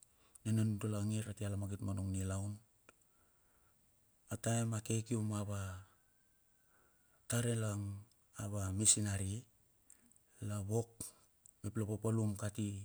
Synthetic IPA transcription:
nenanudolaŋiɾatialamaɡitmanuŋnilawn | ataemake̞kiumaβa | taɾelaŋ | aβamisinaɾi | laβo̞k̚ | meplapapalumkati

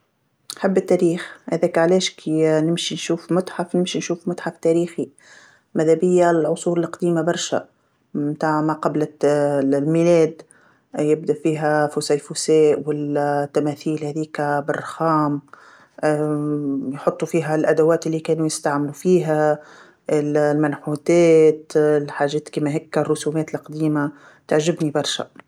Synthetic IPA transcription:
nħɪbːɪt̪ːæɾiːxhæðɛːkʕlɛːʃkʰinɪmʃinʃuːfmʊt̪ħafnɪmʃinʃuːfmʊt̪ħaft̪æːɾiːxi | mæðæbɪjːalʕʊsˤuːɾɪlqd̪iːmabɑɾˤʃæ̰ | mt̪aːʕmaqɑblɪ | lmilɛːd̪ | jɪb̚d̪aʔfiːɦæfʊsæːjfusɛːʔwɪlt̪ːæmæːθiːlhæːðiːkbɪrˤːɑxɑːm | jħot̪ˤːufiːɦælʔæd̪awæːt̪ɪlːiːkɛːnujɪst̪aʕmɪlufiːɦæ | lmænħuːt̪ɛːt̪lħaːʒɛːt̪kiːmæɦɪkːrˤːʊsuːmɛːt̪ɪlqd̪iːma | t̪aʕʒɪbnibɑɾˤʃa̰

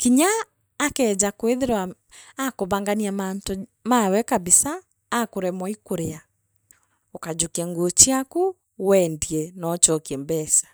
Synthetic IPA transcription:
kiɲaː | kɛd͡ʑakweðeɾwaː | koβaŋɡaniamanto | mawɛkaβisaː | koɾɛmɔikoɾea | ɔkad͡ʑokɛŋɡot͡ʃiaku | wɛndiɛnɔt͡ʃɔkiɛmbɛsḁ

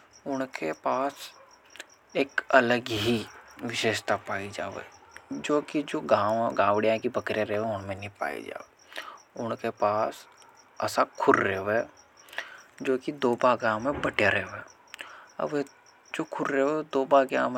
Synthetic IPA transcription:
ʊnkepaːs | eːkɐləɡɦiʋɪʃeːʃt̪apaːid͡ʒa̰ːʋḛd͡ʒoːkid͡ʒoːɡãːwɡãːʋɽijãkibɐkɾijãɾeɦʋẽʊnmẽnipa̰ːḭd͡ʒa̰ːeːʊnkepaːs | ɐ̰sakʰʊɾːeɦʋe | d͡ʒoːkid̪oːbaɡãːwmẽbəʈjaɾeɦʋeː | ə̰be | d͡ʒoːkʰʊɾɾeɦed̪oːbaɡã̰ːm

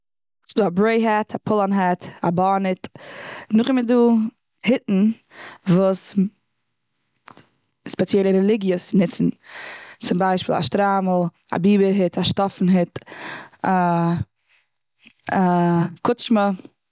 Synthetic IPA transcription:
sɪduːabɾoɪɦɛtʰapʰʊlˠanɦɛtabɔnɪtnʊχɪmɪduː | hɪtn̩ | vuːs | spɛt͡sjɛlˠəɾɛlˠɪɡjəsnɪt͡sn̩t͡sʊmbaɪʃpiːlˠa̰ʃtɾaml̩ˠa̰biːbəɾɦɪtʰaʃtɔfn̩ɦɪt | a | akʊt͡ʃmə

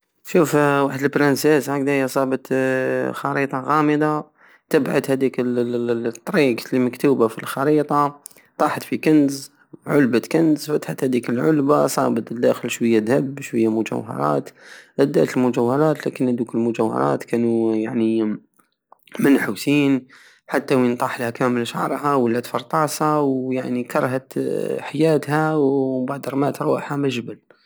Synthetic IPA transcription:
ʃuːfwaħd̪əlbɾˤɑnseːshaɡd̪ajsˤɑːbət̪xɑɾiːt̪ˤɑɣaːməd̪a | t̪ɪbʕa̰d̪hæd̪iːk | t̪ˤːɾiːqlimakt̪uːbafilxɑɾiːt̪ˤɑ | t̪ˤɑːħɑt̪fikanz | ʕʊlbat̪kanzfat̪ħat̪hæd̪iːkɪlʕʊlbasˤɑːbət̪d̪ːaxɪlʃwajːad̪habʃwɪjːamʊd͡ʒa̰whɑ̰ɾˤɑ̰ːt̪ʔad̪a̰t̪əlmʊd͡ʒawhɑɾˤɑːt̪lakɪnhad̪uːkɪlmʊd͡ʒawhɑ̰ɾˤɑ̰ːt̪kaːnujaʕni | manħuːsiːn | ħat̪ːawint̪ˤɑːħlhakaːmɪlʃaʕɾˤɦawəlːat̪fɑɾˤt̪ˤɑːsɑwjaʕnikɑɾˤɦat̪ħajaːt̪hæwbaʕd̪ɾˤmaːt̪ɾˤuːħamaʒbɪl

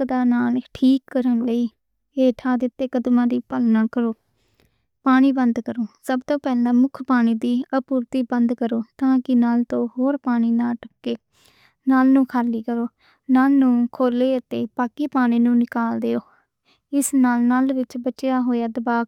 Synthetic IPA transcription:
d̪aːnaːlʈʰiːkːəɾənləiː | eːʈʰaːd̪ɪt̪ːeːkəd̪mãːd̪iːpəlnãːkəɾoː | paːɽ̃iːbənd̪kəɾoːsəbt̪õːpɛːlãːmʊkʰpaːɽ̃iːd̪iːəpuːɾt̪iːbənd̪kəɾoːt̪ãːkɪnaːlt̪õːɦoːɾpaːɽ̃iːnaːʈəkːeː | naːlnũːkʰaːlːiːkəɾoː | naːlnũːkʰoːleːət̪eːpaːkiːpaːɽiːnũːnɪkaːld̪eːoː | ɪsnaːlnaːlʋɪt͡ʃbət͡ʃjaːɦoːjaːd̪əbaːk

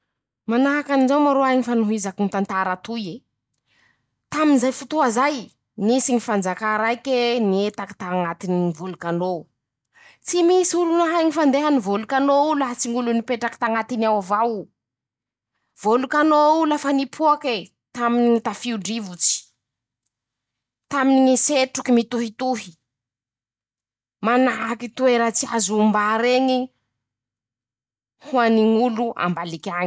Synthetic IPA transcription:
manaɦakanizawmaɾoajɲifanuɦizakinit̪ant̪aɾat̪uje | t̪aminzajfut̪uazaj | misiŋifand͡zakaɾajkeniet̪akḁt̪aŋat̪ininivulukano | t͡simisiulunaɦajɲifand̪eɦanivolukanoulaɦat͡siŋulunipeʈ͡ʂaki̥t̪aŋat̪inawavaw | v̥olukanoulafanipʰuake | t̪aminit̪afiuɖ͡ʐivut͡si̥ | t̪aminiŋiseʈ͡ʂukimit̪uɦit̪uɦi̥ | manaɦakit̪ueɾət͡siazuːmbaɾeɲi | huaniŋuluʔa̰mbalikʲaŋ

